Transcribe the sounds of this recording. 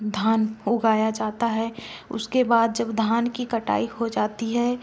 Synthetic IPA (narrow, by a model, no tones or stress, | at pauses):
d̪ʱaːnʊɡaːjad͡ʒaːt̪aɦɛʊ̰skebaːd̪̚d͡ʒɐbd̪ʱaːnkikɐʈa̰ːihod͡ʒaːt̪iɦɛː